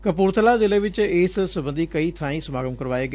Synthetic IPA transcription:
kəpuːɾt̪ʰəlaːzɪleʋɪt͡ʃɪːssəbə̃nd̪iːkɐiːt̪ʰãːĩsəmaːɡəmkəɾʋaːeːɡ

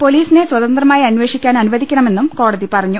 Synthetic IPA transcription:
po̞liːsine̞swɐðɐnd̪rɐmaːjiɐnʋe̞ːʂikʲːaːnɐnuʋɐðikʲːɐɳɐme̞nːumko̞ːɽɐðipɐrɐɲːu

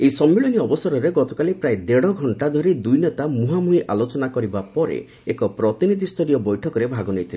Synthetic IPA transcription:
ejsɔmːiɭɔniɔbɔsɔɾɔɾeɡɔt̪ɔkalipɾaed̪eɽɔɡʱɔɳʈad̪ʱɔɾid̪ujnet̪amuɦamuɦiʔʔalot͡ʃɔnakɔɾibapɔɾḛ | ekɔpɾɔt̪inid̪ʱist̪oɾijɔbɔjʈʰɔkɔɾebʱaɡɔnejt̪ʰil

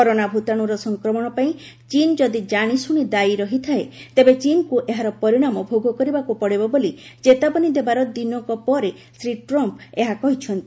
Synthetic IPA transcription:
kɔɾonabʱut̪aɽ̃uɾɔsɔŋkɾɔmɔɽ̃ɔpaĩ | t͡ʃind͡ʒɔd̪id͡ʒaɽ̃isuɽ̃id̪aiɾɔɦit̪ʰaet̪ebet͡ʃinkuʔeɦaɾɔpɔɾiɽ̃amɔbʱoɡʱɔkɔɾibakupɔɽebɔbolid͡ʒet̪abɔnid̪ebaɾɔd̪inɔŋkɔpɔɾe | sɾiʈɾɔmpeɦakɔɦit͡ʃʰɔnt̪i

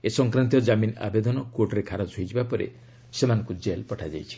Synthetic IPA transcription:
esɔŋkɾant̪̬iɔd͡ʒamina̰bed̪ɔnɔkwoʈɔɾekʰaɾɔd͡ʒʰʱojtʰibapɔɾḛ | semanɔ̃ŋkud͡ʒelpɔʈʰad͡ʒa̰jt͡ʃʰi̥

